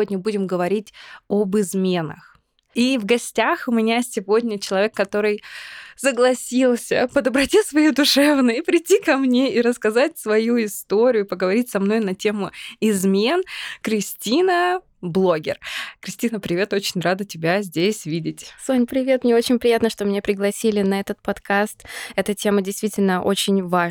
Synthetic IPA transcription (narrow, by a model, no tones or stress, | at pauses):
odʲnʲəbudʲɪmɡəvɐɾʲitʲobɨzmʲe̞nə̰x | ivɡɐsʲtʲaxʊmʲɪnʲasʲɪvo̞dʲnʲət͡ɕɪlˠɐvʲe̞kːɐt̪o̞ɾɨjsəɡlˠɐsʲilˠsʲə̰pəd̪əbɾɐtʲisvɐjid̪ʊʂɛvnəjəpɾʲɪtʲːikɐmnʲeiɾəskɐzatʲsvɐjuɪst̪o̞ɾʲɪjʊpəɡəvɐɾʲitʲsɐmno̞jnɐtʲe̞mʊɪzmʲe̞nkɾʲɪsʲtʲinə | blˠo̞ɡʲɪ̰rkɾʲɪsʲtʲinəpɾʲɪvʲe̞t̪o̞t͡ɕɪnʲrad̪ɨtʲɪbʲazʲdʲesʲvʲidʲɪtʲsonʲpɾʲɪvʲe̞t̪mnʲeo̞t͡ɕɪnʲpɾʲɪjat̪nəʂt̪omʲnʲepɾʲɪɡlˠɐsʲilʲɪnɐɛt̪ət̪̚pɐt̪kast̪ɛt̪ətʲe̞mədʲɪjst̪vʲitʲɪlʲnəʔo̞̰t͡ɕɪnʲva